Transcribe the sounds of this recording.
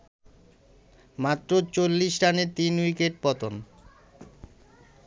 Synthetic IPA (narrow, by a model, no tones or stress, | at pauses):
mat̪ːɾot͡ɕolːiʃɾaneɾt̪inwikeʈ̚pɔt̪on